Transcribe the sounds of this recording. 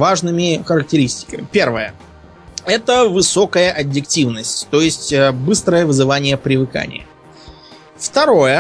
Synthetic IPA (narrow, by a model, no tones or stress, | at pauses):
vaʐnɨmʲɪxəɾək̚tʲɪɾʲisʲtʲɪ̥kəmʲɪpʲe̞rvəjə | ɛt̪əvɨso̞kəjəʔɐbʲjɪktʲivnəsʲtʲt̪o̞jɪsʲtʲəbɨst̪ɾəjəvɨzɨvanʲɪjəpɾʲɪvɨka̰nʲɪ̰jə̰ | ft̪ɐɾo̞jə